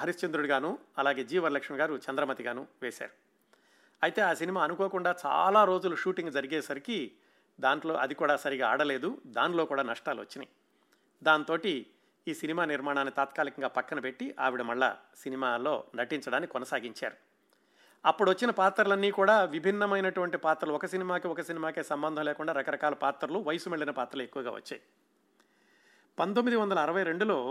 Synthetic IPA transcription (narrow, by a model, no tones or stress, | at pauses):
ɐɾist͡ʃɐnd̪ɾuɽiɡaːnuɐlaːɡe̞ːd͡ʒiːʋɐɾlɐkʂmiɡaːɾut͡ʃɐnd̪ɾɐmɐt̪iɡaːnuʋeːsa̰ːɾu | ɐjt̪e̞ːaːsinimaːɐnukoːkuɳɖaːt͡ʃa̰ːlaːɾo̞ːd͡ʒuluʃuːʈiŋɡd͡ʒɐɾiɡeːsɐɾiki | d̪aːɳʈlo̞̰ːʔɐd̪ikuːɽaːsɐɾiɡaːaːɽɐle̞ːd̪ud̪aːnlo̞ːkuːɽaːnɐʂʈaːluʋɐ̰t͡ʃːinḭ | d̪aːnt̪o̞ːʈi | iːsinimaːniɾmaːɳaːnːit̪aːt̪kaːlikɐŋɡaːpɐkːɐnɐpe̞ʈːiʔa̰ːʋiɽɐmɐɭːa̰sinimaːlo̞ːnɐʈiɲt͡ʃɐɽaːnkikɔnɐsaːɡiɲt͡ʃa̰ːɾu | ɐpːuɽuʋɐt͡ʃːinɐpaːt̪ːɐɾulɐnːiːkuːɽaːʋibʱinːɐmɐjnɐʈuʋɐɳʈipaːt̪ɾɐluɔkɐsinimaːkiɔkɐsinimaːkeːsɐmbɐnd̪ʱɐ̃mleːkuɳɖaːɾɐkɐɾɐkaːlɐpaːt̪ɐɾɐluʋɐjɐsumeɭːinɐpaːt̪ɾɐlue̞kːuʋɐɡaːʋɐ̰t͡ʃːa̰ːji | pɐnt̪omːid̪iʋɐnd̪ɐlɐːɾɐʋɐjɾe̞ɳɖulo̞ː